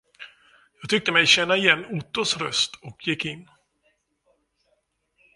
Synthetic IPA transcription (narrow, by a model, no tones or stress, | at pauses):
jɑːɡt̪ʏk̚t̪əmɛjɕɛnːaɪjɛnːʊt̪ːʊsɾœst̪ɔkʰjɪkːɪnː